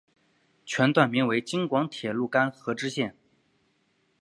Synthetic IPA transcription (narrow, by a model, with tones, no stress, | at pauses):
t͡ɕʰɥɛ˧˥nt̪wa˥˩nmi˧˥ŋwe˧˥ɪt͡ɕi˥ŋkwɑ˧˥ŋt̪ʰjɛ˨˩lu˥˩ka˥nxɤ˧˥ʈ͡ʂɻ̩˥ɕjɛ˥˩n